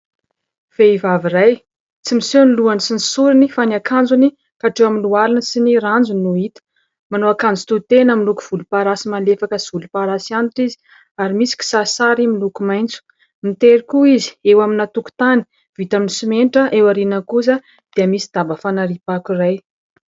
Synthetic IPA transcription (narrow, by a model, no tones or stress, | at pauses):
v̥eivaviɾaj | t͡simiseniluanisinisuɾinifanakʰand͡zuni | kaʈ͡ʂewaminlualinəsiniɾand͡zunuit̪ə̥ | manoakand͡zut̪ut̪enamiluku̥v̥ulupaɾasimalefakəsvulupaɾasianiʈ͡ʂizi̥ | aɾimisi̥ki̥sasaɾimilukumajnt͡su̥ | mit̪eɾikuizi̥ewaminat̪uku̥t̪ani̥ | v̥it̪aminisimenʈ͡ʂəʔewaɾinəkuzə | d̪̥iəmisi̥d̪̥abəfanaɾipakiraj